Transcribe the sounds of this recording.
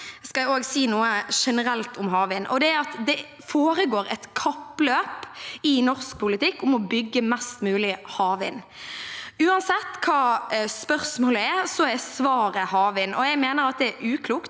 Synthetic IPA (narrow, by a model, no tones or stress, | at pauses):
skɑoːɡsiːnuːəʂɛnəɾɛlt̪ʰʊmɦɑːʋɪnʔɔd̪ɛɾɑt̪d̪ɛ | foːɾəɡoːɾɛt̪kʰɑpløːpɪnɔʁsk̚pʰʊlɪt̪ɪkːʊmɔbʏɡːəmɛst̪mʉːlɪhɑːʋɪ̰n | ʉːɑnsɛt̪ːkʰɑːspœɾsmoːləɛsɔɛsʋɑːɾəhɑːʋɪnɔɛɡmeːnəɾɑt̪̚d̪ɛæɾʉːkʰluːkt̪